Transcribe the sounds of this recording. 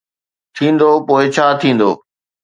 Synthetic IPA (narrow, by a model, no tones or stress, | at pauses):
t̪ʰĩːn̆d̪oːpoːɪt͡ɕʰaːt̪ʰĩːn̆d̪o̰ː